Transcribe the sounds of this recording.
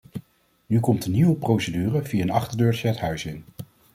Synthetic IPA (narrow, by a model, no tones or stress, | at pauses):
nykɔmtəniwəprowsədyːrəviaənɑχtəɹdøːɹt͡ʃəɛtɦœɥsɪn